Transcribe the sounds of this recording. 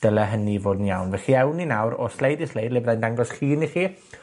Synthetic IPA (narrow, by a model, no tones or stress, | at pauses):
d̥əlˠɛɦənivoːdnjawnvɛχiɛwninawɾɔslejdislˠejdlɪvrajndaŋɡɔsχiːniχiː